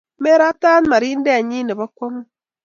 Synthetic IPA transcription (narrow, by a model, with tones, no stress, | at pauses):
me˦ɾa˦ta˦n˦ma˨ɾiː˦n˦de˦a˨ɲi˦ne˨βa˦kwa˦ŋu˦